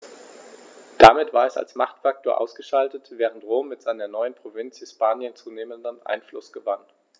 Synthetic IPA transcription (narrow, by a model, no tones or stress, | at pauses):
d̥amɪtv̥aːɐɛsa̰lsmaχtfak̚tʰoːɐʔa̰ʊsɡ̥əʃaltətv̥ɛːʁ̞əntʁoːmːɪtz̥aɪnɐnɔʏənpʁ̥ovɪnt͡shɪspaːnjənt͡suːneːməndənʔa̰ɪnflʊsɡ̥əvan